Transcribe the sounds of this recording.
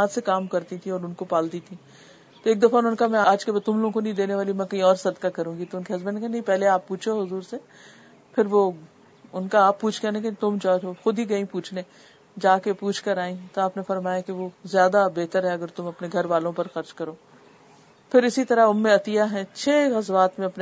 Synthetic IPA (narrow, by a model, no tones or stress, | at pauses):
aːd̪sekaːmkɐɾt̪ĩt̪ʰĩɔːɾʊnkopaːlt̪it̪ʰĩː | t̪oeːk̚d̪ɐfanʊnkamɛ̃aːd͡ʒkebat̪ʊmloːɡõkonɐɦĩd̪eːneʋaːlimɛ̃kɐɦĩɔːɾsɐd̪kakɐɾũːɡit̪oʊnkeɦɐzbənnekanɐĩpɛɦleaːpːuːt͡ʃʰoɦʊzuːɾse | pʰɪɾʋo | ʊnkaaːpːuːt͡ʃʰkɐɾnẽket̪ʊmd͡ʒaːoxʊd̪ʱiɡɐĩpuːt͡ʃʰneː | d͡ʒaːkepuːt͡ʃʰkɐɾaːĩt̪oaːpnefɐɾmaːjakeʋozjaːd̪abeːt̪əɾɦɛɐɡəɾt̪ʊmɐpneɡʱɐɾʋaːlõpɐɾxɐɾt͡ʃkɐɾoː | pʰɪɾɪsit̪ɐɾaɦʊnmẽɐt̪ijaɦɛ̃t͡ʃʰeːɣɐzʋaːt̪mẽɐpne